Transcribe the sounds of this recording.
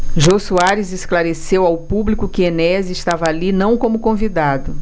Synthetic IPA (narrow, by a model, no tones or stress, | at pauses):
ʒosuaɾɪzesklaɾesewawpublikʊkɪenɛzɪst̪avɐːlinɐ̃w̃kõmʊkõvid̪ad̪ʊ